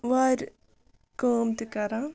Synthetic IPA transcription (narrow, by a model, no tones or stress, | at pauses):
ʋaːɾʲ | koːmt̪ikɐɾã